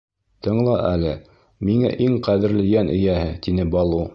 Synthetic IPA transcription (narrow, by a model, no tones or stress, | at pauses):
t̪ɤ̆ɴlˠɑʔælɘ | miŋæ̰ʔiŋqæðɘ̆ɾlɘ̆jænʔɘ̆jæhɘt̪inɘbɑlˠu